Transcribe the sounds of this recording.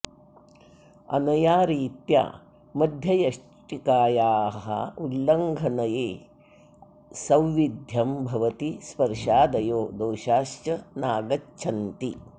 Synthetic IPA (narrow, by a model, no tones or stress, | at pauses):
ɐ̰nɐjaːɾiːt̪ja̰ː | mɐd̪ʱjɐjɐʂ | ʈikaːjaːɦɐ̰ulːɐŋɡʱɐnɐjeː | sɐwʋid̪ʱjɐmbʱɐʋɐt̪ispɐɾʃaːd̪ɐjoːd̪oːʃaːʃt͡ʃɐnaːɡɐt͡ʃːt͡ʃʰɐnt̪i